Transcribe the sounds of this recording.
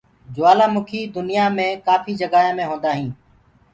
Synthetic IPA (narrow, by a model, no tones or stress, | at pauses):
d͡ʒʊʋaːlãːmʊkʰiːd̪ʊnɪjaːmẽːkaːfiːd͡ʒəɡaːjãːmẽːɦõːnd̪aːɦĩː